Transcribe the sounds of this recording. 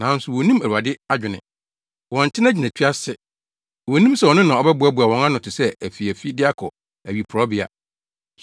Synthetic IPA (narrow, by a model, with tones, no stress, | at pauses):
nã˨˦n̩˦sʊ˨wɔ˨nĩ˦mæ˨u˨a˨dɪ˦a˦d͡ʑᶣʊ˨nɪ̰̃˨ | wɔ̃˨n̩˨tʰɪ̃˦na˦d͡ʑᶣi˨næ̃˨tʰɥa˦sɪ˦ | wɔ˨nĩ˦msɛ˦˨wɔ˨nɪ̃˦nã˨ɔ˦bɛ˦bu˨a˦bu˨a˨wɔ̃˨ŋã˦nʊ̃˨tʰɪ˨sɛ˦æ˨fi˨æ˨fi˦dɪ˦a˦kʰɔ˨ | æ˨ɥi˨pʰɾɔ˦bɪ˦a̰˨